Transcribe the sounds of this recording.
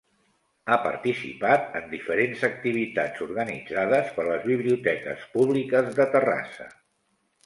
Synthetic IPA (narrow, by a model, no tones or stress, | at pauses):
apə̰ɾt̪isḭpat̪ənd̪ifəɾenzək̚t̪iβ̞it̪ad͡zuɾɣənid͡zaðəspəɾləzβiβ̞liut̪ɛkə̰spuβlikəzðət̪əra̰sə̰